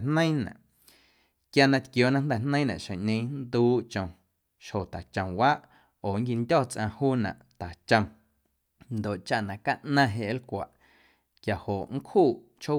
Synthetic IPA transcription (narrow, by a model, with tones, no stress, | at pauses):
nə̃˦j̃nã̰˨ʔ | kja˧nã˧t̪kjoː˨nã˦nd̪ɛ˨n̥nə̃˦nã̰˨ʃẽ˨ʔɲẽ˧˦nd̪uː˦ʔt͡ʃõ˨ | ʃho˨t̪a˨t͡ʃə̃˨mwaː˦ʔ | oː˨ŋ˦ki˧ndʲɔː˦˨t͡sʔã̰˧huː˦nã̰˨ʔt̪a˨t͡ʃə̃˧m | nd̪o˨ʔt͡ʃa˧ʔnã˨ka˦ʔnã˧ɦe˧˨ʔlkʷa̰˨ʔ | kja˨ho˨ʔŋ̩˦khuː˦˨ʔ | t͡ʃho˦